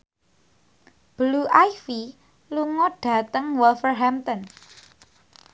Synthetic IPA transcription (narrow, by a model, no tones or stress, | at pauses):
b̥luʔajfi | luŋɔɖ̥a̤t̪əŋwɔlfərɦɛmt̪ɔn